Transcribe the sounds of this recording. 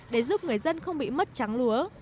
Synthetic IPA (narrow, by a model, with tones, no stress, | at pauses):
ɗe˧˩zu˦˥p̚ŋɨ˨˩əjzə˧nxə˧wŋ͡mɓḭ˧˨mə˦˥t̚t͡ɕa˨˦ŋlu˨˦ə